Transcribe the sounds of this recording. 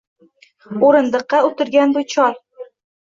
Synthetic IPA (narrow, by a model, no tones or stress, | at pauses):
oɾɨ̆nd̪ɤ̆qːɑɵt̪ɪɾɡʲanbʊjt͡ʃʰɒɾ